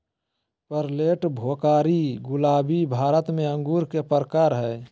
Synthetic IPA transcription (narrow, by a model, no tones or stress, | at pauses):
pəɾleːʈbʱoːkaːɾiɡʊlaːbibʱaːɾət̪mẽə̃ŋɡuːɾkepəɾəkaːɾɦɛː